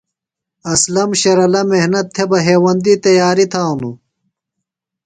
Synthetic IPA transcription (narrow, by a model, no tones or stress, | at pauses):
ɐslɐmɕɐɾɐlɐmehnɐt̪ʰːebɐɦeːwɐnd̪it̪ɐjaːɾit̪ʰaːnu